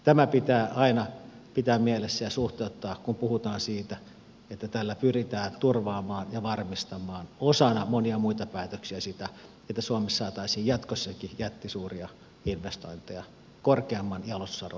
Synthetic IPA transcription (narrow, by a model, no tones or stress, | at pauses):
t̪æmæpit̪æːʔɑinɑ | pit̪æːmmielesːæjɑsuht̪eut̪ːɑːkkumpuhut̪ɑːnsiːt̪æ | et̪ːæt̪ælːæpyrit̪æːnt̪urʋɑːmɑːnjɑʋɑrmist̪ɑmˑɑːnosɑnɑmoniɑmuit̪ɑpæːt̪øksiæsit̪æ | et̪ːæsuomesːɑːt̪ɑisiːjjɑt̪kosːɑkijæt̪ːisuːriɑ | inʋest̪oint̪ejɑ | korkeɑmːɑnjɑlosːɑro